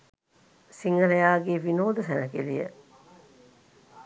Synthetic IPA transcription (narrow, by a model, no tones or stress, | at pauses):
siŋɡɐɾejaːɡeːʋinoːd̪usænɐkelijə̰